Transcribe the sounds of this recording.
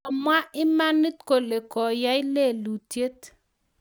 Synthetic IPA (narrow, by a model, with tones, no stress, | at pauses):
ɔ˨mwa˦ʔɪ˦ma˦ni˦tko˨le˨kɔ˨ja˦jle˦˨lu˨tje˦t